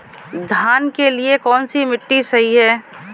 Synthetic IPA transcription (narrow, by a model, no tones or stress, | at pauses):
d̪ʱaːnkeliekɔːnsimɪʈːisɐɦiɦɛː